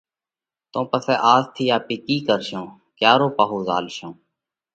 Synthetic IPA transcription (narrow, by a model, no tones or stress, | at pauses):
t̪õːpəsɛːʔaːzt̪ʰiːaːpiːkiːkəɾʃõː | kjaːɾoːpaːɦoːza̰ːlʃõː